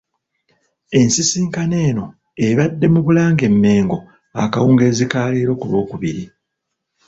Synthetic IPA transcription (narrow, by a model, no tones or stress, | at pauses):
e̞nsisiːŋkane̞ːno̞ | e̞βadːe̞muβulaːŋɡe̞mːe̞ːŋɡo̞ | akawuːŋɡe̞ːzikaːleːɾo̞kulwo̞ːkuβiɾi